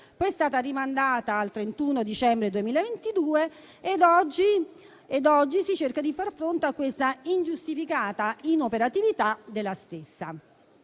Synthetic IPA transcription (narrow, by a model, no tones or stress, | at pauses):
pɔjɛst̪aːt̪arimand̪aːt̪aːlt̪ɾent̪unod̪it͡ʃɛmbɾed̪uemiːlaevent̪id̪uːeː | d̪ɔd͡ʒi | ed̪ɔd͡ʒːisit͡ʃerkad̪ifarfɾont̪eakːwest̪aind͡ʒust̪ifikaːt̪ainopeɾat̪ivit̪ad̪elːast̪esːa̰